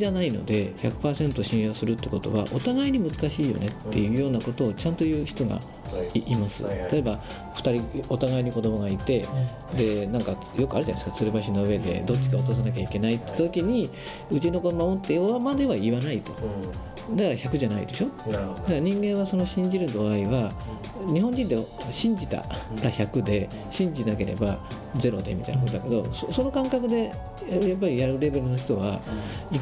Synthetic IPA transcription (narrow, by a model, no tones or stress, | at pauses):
anaino̞̰d̪e̞çakɯ̟̥paːsẽ̞nt̪oɕĩɰ̃jo̞ːsɨɾɯt̪ːeko̞t̪o̞̰βa̰ʔo̞t̪aɡaiɲ̟imɯ̟t͡sɨ̥kaɕiːjo̞̰ne̞t̪ːe̞jɯ̟ːjo̞ːnako̞t̪o̞ːt͡ɕãnt̪o̞jɯ̟ːçi̥t̪o̞ɡa̰ | iʔimasɨ̰t̪at̪oeba | ɸɯ̥t̪aɾʲio̞t̪aɡaiɲ̟iko̞d̪o̞mo̞ɡait̪e̞ | d̪e̞nãŋka | jo̞kɯaɾ̟ʑanaiskat͡sɨɾɯbaɕino̞ɯ̟e̞d̪e̞̰d̪o̞tt͡ɕːi̥kaot̪os̬anak̬ʲaike̞nait̪ːe̥t̪at̪o̞kʲiɲ̟i | ɯ̟t͡ɕino̞koɾonoot̪ːeoβamad̪e̞βaiβanait̪o̞̥ | d̪akaɾaçakɯ̟ʑanaḭd̪e̞ɕo̞d̪akaɾaɲ̟ĩŋɡẽ̞ɰ̃βaso̞no̞ɕĩɲ̟d͡ʑiɾɯ̟d̪o̞aiβa | ɲ̟iɦõɲ̟d͡ʑĩnd̪eɕĩɲ̟d͡ʑit̪a̰ɾaçakɯ̟d̪e̞ | ɕĩɲ̟d͡ʑinak̬e̞ɾe̞̰ba | d͡ze̞ɾo̞̰d̪e̞mit̪a̰ḭnakot̪od̪ake̞d̪o̞̰soso̞no̞kãŋkakɯ̟d̪e̞ | jap̬ːaɾʲijaɾɯ̟ɾe̞be̞ɾɯno̞çi̥t̪o̞βai